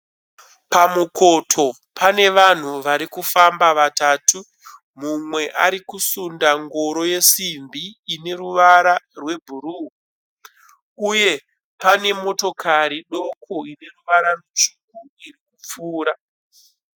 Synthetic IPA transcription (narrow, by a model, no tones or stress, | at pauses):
pamuko̞tʰo̞ | pʰane̞ʋan̤uʋaɾikufambaʋataːtu | mumwe̞ʔaɾikusundaŋɡoɾo̞je̞simbiːne̞ɾuʋaɾarwe̞bʱuɾu | uje̞ | pane̞mo̞to̞kʰaɾiɗo̞kʰoine̞ruʋaɾarut͡ʃuk̚u | irikup͡fuːɾa